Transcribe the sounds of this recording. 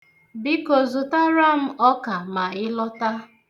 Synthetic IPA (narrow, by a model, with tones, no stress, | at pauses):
bi˦ko˨zʊ˨ta˦ɾa˦m̩˦ʔɔ˦ka˨ma˨ɪ˦lɔ˦ta˦